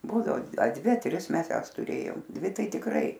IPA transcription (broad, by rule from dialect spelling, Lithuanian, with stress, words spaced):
ˈbuːdɐoː ɐ ˈdʲʋʲɪ ɐ ˈtʲrʲɪs ˈmʲɛs ˈjæːs tʊˈrʲeːjoːm ˈdʲʋʲɪ ˈtɐɪ tʲɪkˈrɐɪ